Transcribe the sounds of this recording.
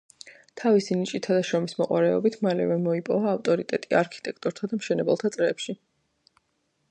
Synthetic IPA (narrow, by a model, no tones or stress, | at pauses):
t̪ʰavisinit͡ʃʼit̪ʰad̪aʃɾɔmismɔqʼwaɾɛɔbit̪ʰmalɛ̰vɛmɔipʼɔvaːft̪ʼɔɾit̪ʼɛt̪ʼiaɾkʰi̥t̪ʼɛkʰt̪ʼɔɾt̪ʰad̪amʃɛnɛbɛlˠt̪ʰat̪sʼɾɛpʃi